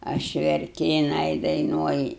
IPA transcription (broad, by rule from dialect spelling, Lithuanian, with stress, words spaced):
ˈɐʃ ʋʲɛrʲˈkʲɪ jɪˈnɐɪ dɐɪˈnuɔjɪ